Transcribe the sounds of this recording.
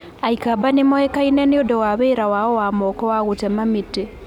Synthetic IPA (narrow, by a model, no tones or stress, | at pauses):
aikabanemoekaineneodɔwaβeːɾawawowaːmɔːkɔwaɣutemamiti